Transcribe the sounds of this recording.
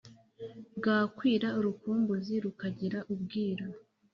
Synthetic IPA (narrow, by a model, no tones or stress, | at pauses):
bɡaːkwiːɾauɾukuːmbuziɾukaɟiɾaʔub̚ɡiːɾa